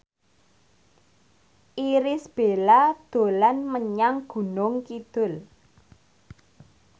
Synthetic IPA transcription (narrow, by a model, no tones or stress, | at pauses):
ʔiɾɪsb̥elad̪̥o̤lanməɲaŋɡ̥ṳnʊŋkid̪̥ʊl